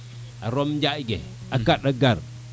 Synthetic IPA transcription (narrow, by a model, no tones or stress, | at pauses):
a̰ɾomd͡ʒaiɡḛ | akaɗaɡaɾ